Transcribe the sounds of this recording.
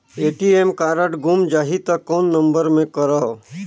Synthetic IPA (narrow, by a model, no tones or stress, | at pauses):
eːʈiemkaːɾəʈɡumd͡ʒaːɦit̪ɐkːɔːnːɐ̃mbəɾmẽkəɾə